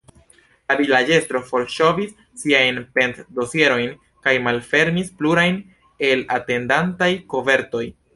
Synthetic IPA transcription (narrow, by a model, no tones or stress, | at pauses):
lavilad͡ʒe̞stɾo̞fo̞lʃo̞visːiajnpe̞ntdo̞sie̞ɾo̞jn | kajmalfe̞ɾmispluɾajn | e̞la̰te̞ndantajko̞ve̞ɾto̞j